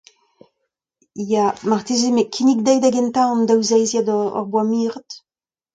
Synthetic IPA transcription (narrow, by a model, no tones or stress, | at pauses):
jamaʁt̪ezemekʰinik̚d̪ɛjd̪aɡɛnt̪ãɑ̃nd̪awzɛjzjad̪ɔ̰ʁbwamiːʁət̪